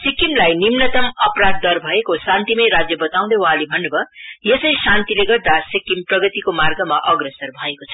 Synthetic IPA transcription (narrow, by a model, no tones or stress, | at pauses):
sikimlajnimnʌt̪ʌmʌprad̪̚ːʌrbʱʌekosant̪imʌjɾad͡zjʌbʌt̪aw̃d̪ʌwɦãlebʱʌnːʌbʌjesʌjsant̪ileɡʌrd̪asikːimprʌɡʌt̪ikomarɡʌmaʔʌɡresʌrbʱʌekot͡sʰʌ̥